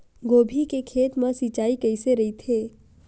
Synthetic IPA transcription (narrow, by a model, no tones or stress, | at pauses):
ɡoːbʱikekʰeːt̪məsit͡ʃaːikəɪseɾɐit̪ʰeː